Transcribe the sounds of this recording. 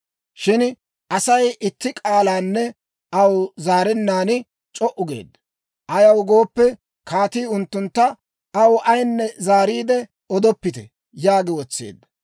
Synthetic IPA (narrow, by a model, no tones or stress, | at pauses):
ʃɪn | ʔɐsɐjʔɪt̪ːɪkʼaːlaːnːɛ | ʔɐwzaːɾɛnːaːnɪ | t͡ʃʼɔʔʊɡḛːd̪ːɐ | ʔɐjɐwɡo̞ːpːɛ | kaːt̪iːʊnt̪ːʊnt̪ːɐ | ɐwʔɐjnːɛzaːɾiːd̪ɛ | ɔd̪ɔpːɪt̪ɛ | jaːɡɪwɔt͡sːḛːd̪ːɐ